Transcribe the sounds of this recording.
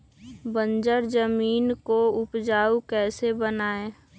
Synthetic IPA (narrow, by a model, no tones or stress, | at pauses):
bə̃nd͡ʒəɾd͡ʒəmiːnkoʊpd͡ʒaːukɛːsebənaːe